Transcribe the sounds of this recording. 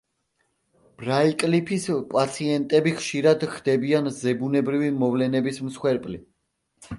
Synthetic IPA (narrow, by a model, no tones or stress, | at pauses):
b̥ɾaikʼlipʰispʼat̪sʰiɛnt̪ʼɛbiχʃiɾad̪χd̪̥ɛbianzɛbunɛbɾivimɔvlɛnɛbismsχwɛɾpʼli